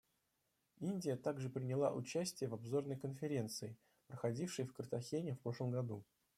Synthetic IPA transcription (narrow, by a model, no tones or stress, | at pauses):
inʲdʲɪjət̪aɡʐɨpɾʲɪnʲɪlˠa̰ʔʊt͡ɕæsʲtʲɪjəvɐbzo̞rnəjkənfʲɪɾʲe̞nt̪sɨɪ | pɾəxɐdʲifʂɨjfkərt̪ɐxʲenʲɪfpɾo̞ʂlˠəmɡɐd̪u